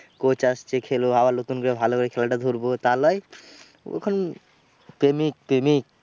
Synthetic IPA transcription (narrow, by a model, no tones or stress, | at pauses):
kot͡ʃast͡ʃʰekʰeloɦabalot̪unkoɾebʱalokoɾekʰɛlaʈad̪ʱuɾbot̪alɔj | ḛkʰon | pemik̚pemik̚